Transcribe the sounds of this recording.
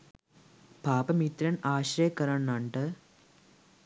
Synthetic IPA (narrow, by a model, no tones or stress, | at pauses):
paːpɐmit̪ɾɐnaːɕɾɐjɐkːɐɾɐɳnɐɳɖɨ